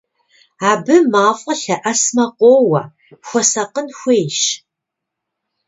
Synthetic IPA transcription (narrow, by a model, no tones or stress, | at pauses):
aːbɨmaːfʼɐɬɐʔɐsmɐqʷoːwɐ | xʷɔsɐqənxʷeːjʃ